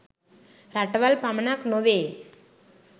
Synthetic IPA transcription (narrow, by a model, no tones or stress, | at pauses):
ɾaʈʋalpamɳaknoʋe